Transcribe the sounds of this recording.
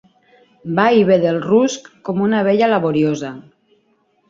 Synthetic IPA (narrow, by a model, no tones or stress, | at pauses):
baiβeðelruskːomunaβ̞eʎalaβoɾjoza